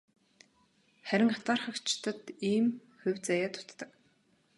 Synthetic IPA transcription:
χæɾʲɪ̆ŋat̪aːrχə̆kt͡ɕt̪ʰə̆t̪iːm | ʊwʲt͡sajaːt̪ʰʊ̥t̪ːə̆k

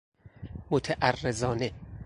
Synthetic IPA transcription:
mot̪ʰæʔærːezɒːne

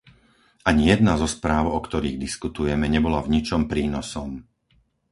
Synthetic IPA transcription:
ʔaɲijɛd̪nazɔspɾaːʊɔkt̪ɔɾiːɣd̪iskut̪ujɛmɛɲɛbɔlavɲit͡ʃɔmpɾiːnɔsɔm

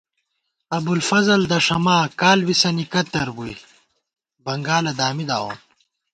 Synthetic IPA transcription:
ɐbulfɐzɐld̪ɐʂɐmaːkaːlwisɐnikɐt̪ɐɾbuḭ | bɐŋɡaːlɐd̪aːmid̪a̰ːwo̰ːn

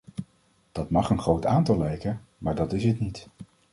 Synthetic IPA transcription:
d̥ɑtmɑχənχrowtaːntɑlˠlɛjkənmaːɹdɑtɪsətnit

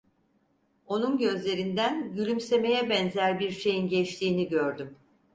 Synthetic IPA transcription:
o̞nunɟø̞zlʲe̞ɾind̪ænɟylʲymse̞me̞jɛbɛnzæɾbiɾʃe̞jinɟɛt͡ʃt̪ʰiːniɟø̞ɾd̪ym

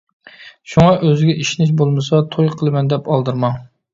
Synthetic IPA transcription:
ʃuŋɑʔøzɪɡʲɛʔiʃnɪʃ̬bolˠmɨs̬ɑt̪ʰojqʰəlˠɨmɛnd̪ɛpɑlˠd̪ɨɾmɑŋ

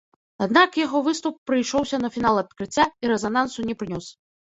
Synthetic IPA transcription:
ad̪nakjaɣɔvɨst̪upːɾɨjʂɔwsʲɐnɐfʲin̪alˠɐt̪̚kɾɨt͡sʲːaiɾɛzanan̪sunʲɛpɾɨnʲɔs

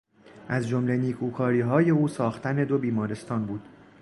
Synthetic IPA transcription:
ʔæzd͡ʒomle̞niːkʰuːkʰɒːɾiːɦɒːje̞uːsɒːxt̪ʰæne̞d̪o̞biːmɒːɾe̞st̪ɒːnbuːd̪̥

